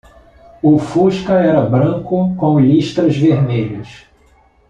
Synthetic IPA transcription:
ʊfuʃkɐɛɾɐbɾɐ̃kʊkõw̃liʃt̪ɾɐzveɾmeʎɐs

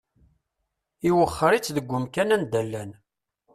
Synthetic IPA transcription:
iwəχːəɾit͡sːðəɡʷːʊmkænænd̪ælːæn

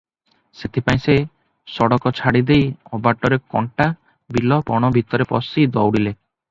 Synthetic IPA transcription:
set̪ʰipaĩse | sɔɽɔkɔt͡ʃʰaɽid̪ejɔbaʈɔɾekɔ̰ɳʈa | bilɔpɔɽ̃ɔbʱit̪ɔɾepɔsid̪ɔwɽile

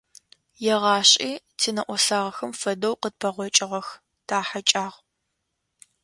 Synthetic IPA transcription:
jɛʁɑːɕʼiː | tʰinɐʔʷɔsaːʁɐxɐmfɐdɐwqəd̚pʰɐʁʷɔt͡ʃʼɪʁɐx | tʰaːħat͡ʃʼaːʁ

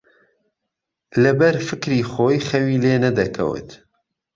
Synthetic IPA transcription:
lɐbɐɾfɨkɾiːxoːjxɐwiːleːnɐd̪ɐkʰɐ̰wɨ̰t̪

